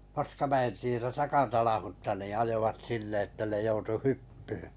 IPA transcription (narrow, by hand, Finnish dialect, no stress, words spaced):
pɑskɑmæen tietæ tɑkɑtɑnɑhutːɑ niˑ ɑjoʋɑt sinːe etːæ ne joutu hypːyhẙ